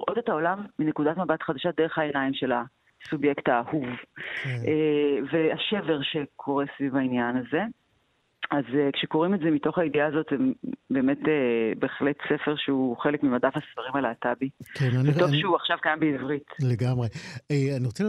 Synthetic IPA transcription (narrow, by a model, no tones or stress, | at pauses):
ʔodetao̞lamːinekudatmabatχadaʃadeʁeχaenaimʃe̞la | subjektaːhuv | eveaʃe̞ve̞ʁʃe̞kʰo̞ʁesvivainjanaze̞ | azekʃeko̞ʁimezemito̞χaidiaːzo̞tzembe̞ːme̞tebeχletse̞fe̞ʁʃeuχe̞lekmimadafhasfaʁimalaːtabikʰennvetovʃeuaχʃavkajambeivʁitleɡamʁeeaniʁot͡sɛ